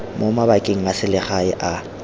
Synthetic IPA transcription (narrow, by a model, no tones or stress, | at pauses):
momabakʼeŋ̩asɪlɪχaɪʔa